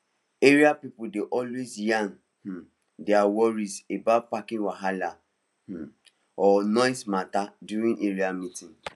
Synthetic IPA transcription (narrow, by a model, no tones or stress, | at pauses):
eɾiapipʊdeʔɔlwezjãn | h̩ | deawɔɾizebapakĩŋwaɦala | h̩ | ɔnɔ̃ɪsmatadjuɾĩŋʔeɾiamitĩn